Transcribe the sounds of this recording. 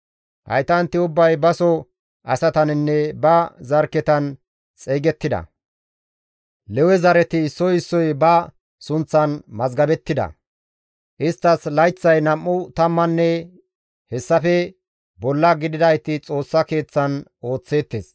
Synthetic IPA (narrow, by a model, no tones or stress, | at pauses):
hɐ̰jt̪ɐnt̪ːɪʊbːɐjbɐsɔ | ʔɐsɐt̪ɐnɪnːɛbɐzɐɾkɛt̪ɐn | t͡sʼeːɡɛt̪ːɪd̪ɐ̰ | lɛwɛzɐɾɛt̪ɪːsːɔjɪsːɔjbɐ | sʊnt͡sːɐnmɐzɡɐbɛt̪ːɪd̪ɐ̰ | ʔɪst̪ːɐslɐjt͡sːɐjnɐmːʊt̪ɐmːɐnːɛ | hɛsːɐfɛ | bɔlːɐɡɪd̪ɪd̪ɐjt̪ɪt͡sʼo̞ːsːɐke̞ːt͡sːɐno̞ːt͡sːe̞ːt̪ːes